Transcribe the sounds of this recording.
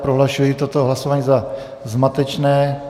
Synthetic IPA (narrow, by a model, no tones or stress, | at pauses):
pɾoɦlaʃujit̪ot̪oɦlasovaːɲiːza | zmat̪ɛt͡ʃnɛː